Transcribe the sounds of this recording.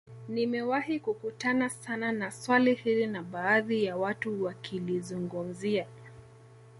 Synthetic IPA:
nimɛwahikukutanasananaswalihilinaɓaːðijawatuwakʰilizuŋɡum̩zia

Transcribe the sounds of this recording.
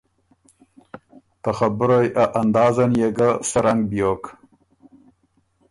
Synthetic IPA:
t̪axabɾojʔaʔand̪ɑːzanjeɡasaɾaŋɡbjok

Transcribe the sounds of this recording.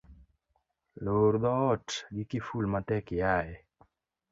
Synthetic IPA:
loːɾd̪ɔʈɡikifulmat̪ɛkijaːje

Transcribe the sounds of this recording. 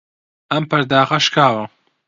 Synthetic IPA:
ɐmpɐɾd̪aːqɐʃkʰaːwɐ

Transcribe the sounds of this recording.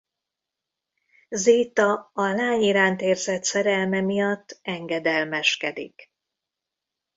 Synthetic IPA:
ziːt̪ɒɒlaːɲiɾaːnt̪eːrzɛt̪sɛɾɛlmɛmijɒt̪ːɛŋɡɛd̪ɛlmɛʃkɛd̪ḭk

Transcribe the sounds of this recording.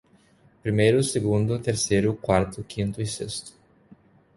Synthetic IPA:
pɾimejɾʊseɡũnd̪ʊt̪eɾsejɾʊkwaɾt̪ʊkʰĩnt̪ʊisest̪ʊ̥

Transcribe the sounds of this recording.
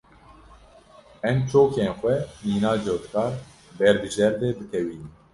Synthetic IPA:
ɛmt͡ʃoːkeːnxʷɛniːnɑːd͡ʒot̪kɑːɾ | bɛɾbɨʒɛɾd̪eːbɨk̪ʰɛwiːn

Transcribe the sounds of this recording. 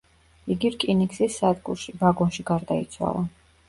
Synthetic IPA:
iɡiɾkʼiniksisːad̪ɡṵɾʃibaɡɔnʃiɡaɾd̪ait̪sʰwa̰lˠa

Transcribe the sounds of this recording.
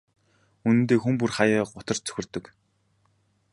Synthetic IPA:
unɘ̆nt̪eːxump̬urχajəːʊt̪ə̆rt͡sʰɵ̥xʲɪ̆rt̪ɵ̆k

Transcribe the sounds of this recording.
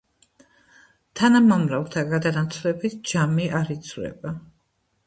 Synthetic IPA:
t̪ʰanamamɾavlˠt̪ʰaɡad̪anat̪sʰlɛbit̪ʰd͡ʒamiʔaɾit̪sʰvɾɛ̰ba

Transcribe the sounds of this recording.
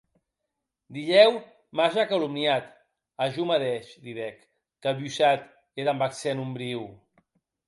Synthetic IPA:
d̪iʎɛw | maʒakalumnjat̪ | aʒumaðɛʃd̪iðɛkː | əlβjusat̪ | eðambaksɛnumbɾiw

